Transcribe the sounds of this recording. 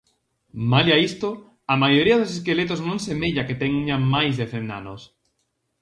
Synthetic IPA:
maliaist̪o | amajoɾiaðoses̬kelet̪oznõŋsemeʎaket̪eŋɲamajzðeθend̪a̰nos

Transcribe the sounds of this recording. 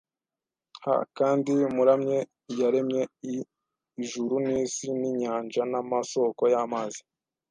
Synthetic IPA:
ha̰kaːndimuɾamɲe̞ | jaɾe̞mɲe̞i | ʒuɾunisiniɲaːnd͡ʒanamaso̞ko̞jaːmaːzi̥

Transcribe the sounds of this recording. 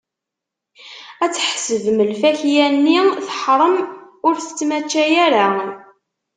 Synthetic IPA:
æt͡sːħsəvməlfæçjænːiθə̥ħɾˤəm | ʊɾθə̥t͡sːmæt͡ʃːæjæɾa

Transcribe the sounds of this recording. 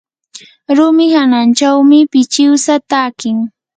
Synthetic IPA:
ɾʊmɪhanant͡ʃawmɪpɪt͡ʃɪwsat̪aːkɪŋ

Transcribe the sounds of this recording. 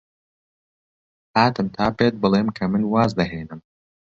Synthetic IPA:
haːt̪ɨmt̪ʰaːpet̪̚bɨlˠeːmkʰɐmɨnwaːzd̪ɐɦeːnɨm

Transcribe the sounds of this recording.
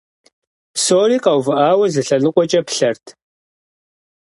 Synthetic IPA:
soːriːqɐwvɨʔaːwɐzɨɬɐnɨqʷʼɔt͡ʃʼɐpɬɐrtʰ

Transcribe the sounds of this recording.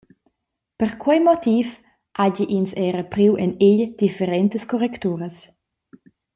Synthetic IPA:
pəɾkwɛjmɔt̪if | ʔaɟiʔinsɛɾəpɾiwʔɛneʎd̪̥ifeɾɛnt̪əskɔɾɛkt̪uːɾəs

